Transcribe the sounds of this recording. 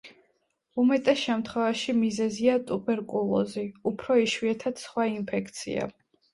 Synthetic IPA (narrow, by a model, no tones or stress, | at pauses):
umɛt̪ʼɛsʃɛmt̪ʰχwɛvaʃimizɛziat̪ʼubʼɛɾkʼulˠɔ̰ziupʰɾɔiʃwiɛt̪ʰad̪̥sχwaimpʰɛkʰt̪sʰḭa̰